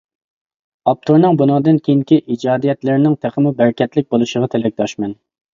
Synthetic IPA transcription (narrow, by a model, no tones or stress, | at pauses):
ɑp̚t̪ʰuɾnɨŋbunɑŋd̪ɨnkʲʰejiŋkʲiʔid͡ʒɑːd̪ijɛt̪lɪɾnɪŋt̪ʰæχʰəmubæɾkʲʰɛt̪lɪk̚ʲbolˠuʃəʁɑt̪ʰelɛk̚ʲd̪ʰɑʃmɛn